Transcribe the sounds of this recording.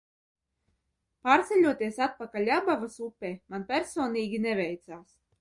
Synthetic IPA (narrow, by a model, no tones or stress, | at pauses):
paːɾt̪sɛlʲuɔt̪iɛsat̪̚pakalʲabavasupʲːemanpʲɛɾsɔːniːɡʲinɛvɛjt̪saːs